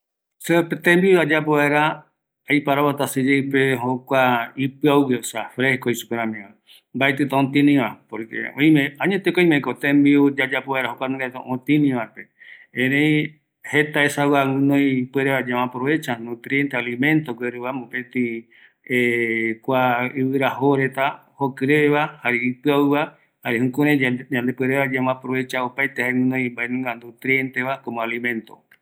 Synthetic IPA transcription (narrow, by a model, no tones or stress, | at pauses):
sepet̪ẽmbiuad͡ʒapoβaeɾa | ajpaɾaβat̪asɨd͡ʒejpeɦokʷaipɨauɡesafɾehkoisu̥peɾãmĩʋa | mbaet̪ɨt̪ãõnt̪ĩnĩʋapoɾkḛõj̃mẽãɲet̪ekoĩmẽkot̪ẽmbiud͡ʒad͡ʒapoβaeɾaɦokʷanũɡat̪o̰ʔõt̪ĩnĩʋaɾpeẽɾẽĩ | het̪aesawaŋũnõjpweɾeβad͡ʒamãpɾoβe̞t͡ʃanũt̪ɾient̪ealimẽnt̪oɡeɾuβamopẽt̪ĩ | ekʷaiβɨɾahoɾet̪ahokɨɾeβahaɾiipɨauβa | haɾihũkũɾẽd͡ʒãnd̪epweɾeβad͡ʒamãpɾoβe̞t͡ʃaopajt̪ehaeŋũnõjmbaenũŋɡand̪ut̪ɾient̪eβakomõalimẽ̞nt̪o̰